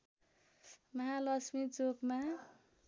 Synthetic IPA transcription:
mʌɦalʌsmit͡sokma

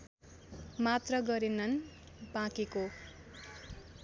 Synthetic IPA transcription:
mat̪rʌɡʌɾenʌn | bãkeko

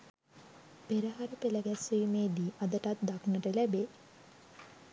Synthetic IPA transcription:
peɾəɦaɾəpeləɡæsiːmeːd̪iːʔad̪əʈat̪̚d̪aknəʈəlæbe

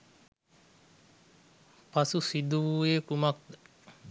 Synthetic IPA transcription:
pɐsusid̪ueːkumɐk̚d̪ə

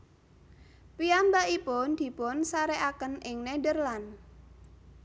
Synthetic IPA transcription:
piambaipʊnd̪̥i̤pʊnsaɾeʔakənʔɪŋnedərlan

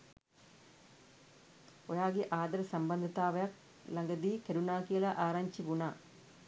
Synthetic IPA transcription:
ojaːɡiʔaːd̪ɐɾɐsɐmbɐnd̪ʱɐt̪ːaːʋɐjak̚ | lɐŋɡɐd̪ikɐɾunaːkijɐlɐʔaːɾaɲt͡ɕiʋuɳa

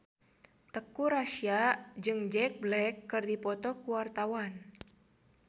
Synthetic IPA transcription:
t̪əkuɾasiad͡ʒɨŋd͡ʒɛk̚blɛkːɨrdipɔt̪ɔkuwart̪awan

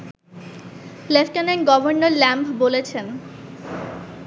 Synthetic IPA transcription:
lefʈanenɡɔbʱoɾnoɾlɛmpʰbolet͡ɕʰen

